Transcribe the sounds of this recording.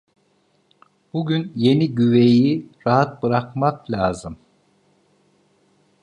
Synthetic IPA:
b̥uɟynje̞niɟyve̞jiɾaɦat̪̚bɯɾakmaklʲaːzɯm

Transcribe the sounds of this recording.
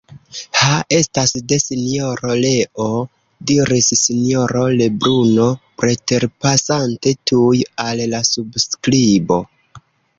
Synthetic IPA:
haʔe̞stasde̞sinio̞ɾole̞ʔo | diɾisːinijo̞ɾo̞le̞bɾuno̞pɾe̞te̞ɾpasante̞tʰujallasubskɾibo̞

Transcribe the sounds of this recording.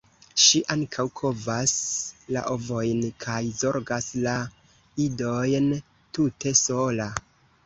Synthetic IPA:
ʃiʔaŋkʰawkʰo̞vasla̰ʔo̞vo̞jnkʰajzo̞ɾɡasla | ido̞jn | tute̞so̞la

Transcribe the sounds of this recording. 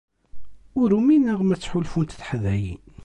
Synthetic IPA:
ʊɾuminæʁmæt͡sːħulfunt̪θħəðæjin

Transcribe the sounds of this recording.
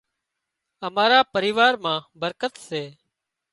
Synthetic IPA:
əmaːɾaːpəɾiːʋaːɾmãːbəɾkət̪seː

